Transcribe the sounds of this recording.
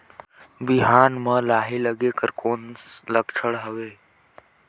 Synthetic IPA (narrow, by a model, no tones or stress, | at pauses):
biɦaːnmə̃laːɦiːləɡeːkəɾkoːnləkt͡ʃʰəɽɦəʋeː